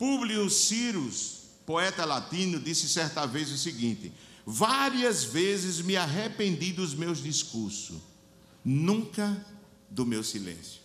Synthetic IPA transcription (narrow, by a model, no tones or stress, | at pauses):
publiusiɾus | poɛt̪ɐlat̪ĩnʊd̪isɪsɛɾt̪ɐvezʊsiɡĩnt̪ɪ̰ | vaɾiɐzvezɪzmɪaɦepẽnd̪id̪ʊzmewzd̪iskuɾsʊ̰ | nũkɐ | d̪ʊmewsilḛ̃sjʊ